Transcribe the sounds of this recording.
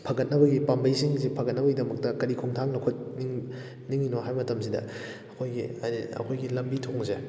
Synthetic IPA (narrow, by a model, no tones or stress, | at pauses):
pʰɐɡɐt̚nɐbɐɡipambɐjsiŋzipʰɐɡɐt̚nɐbɐɡidɐmɐk̚tɐkɐɾikʰoŋtʰaŋlɐkʰot̚niŋ | niŋinoɦajmɐtɐmsidɐ̰ | ɐkʰojɡiɐ̰kʰojɡilɐmbitʰoŋze